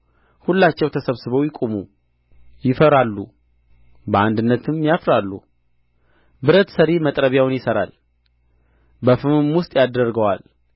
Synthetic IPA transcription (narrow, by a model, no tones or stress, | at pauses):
hulːat͡ʃːɛwt̪ʰəsəβsɨβəwjɪkʼumu | jɪfəɾalːu | bəand̪ɨnːət̪ʰɨmjafɾalːṵ | bɨɾət̪səɾemət̪ʼɾəβjawnjɪsəɾa̰l | bəfɨmɨmwʊst̪ʼjad̪ərɡəwal